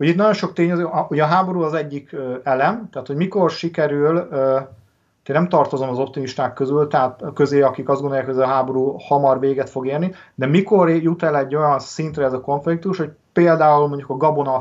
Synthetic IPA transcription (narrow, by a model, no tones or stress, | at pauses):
hojit̪nɒjo̞nʃo̞k̚t̪eːɲɛzøːʔhoɟɒɦaːbo̞ɾuːɒzɛɟːikøɛlɛmt̪ɛaːt̪ho̞ɟmiko̞rʃikɛɾylː | t̪eːnɛmt̪ɒrt̪o̞zo̞mɒzo̞p̚t̪imiʃt̪aːkːøzylt̪ɛɦaːt̪kø̞zeːɒkikɒzd̪ɡond̪ojaːkʰhoɦaːbo̞ɾuːhɒmɒrʋeːɡɛt̪fo̞ɡeːrnid̪ɛmiko̞rjut̪ɛlɛɟːo̞jɒnsint̪rɛɛzɒko̞ɱflik̚t̪uʃho̞cpeːld̪aːulmo̞ɲɟukɒɡɒbo̞nɒ